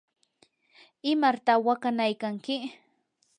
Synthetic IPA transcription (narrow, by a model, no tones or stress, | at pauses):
ɪmaɾt̪awakanajkaŋkɪ